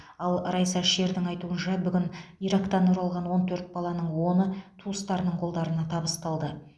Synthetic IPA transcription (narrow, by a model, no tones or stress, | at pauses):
ɑlˠɾɑjsɑʃe̞ɾd̪ɪŋɑjt̪uənʃɑbʏɡʲɪniɾɑkt̪ɑnʊɾɑlˠʁɑnwo̞nt̪ʰɵɾt̪̚bɑlˠɑnəɴwo̞nət̪ʰuəst̪ɑɾənəɴqʰo̞lˠd̪ɑɾənɑt̪ʰɑbəst̪ɑlˠd̪ə